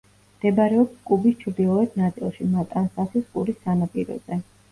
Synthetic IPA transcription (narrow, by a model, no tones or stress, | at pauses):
md̪̥ɛbaɾɛɔpskʼubist͡ʃʰɾd̪ilˠɔɛt̪ʰnat̪sʼilˠʃimat̪ʼansasʰiskʼṵɾisːanapʼiɾɔ̰zɛ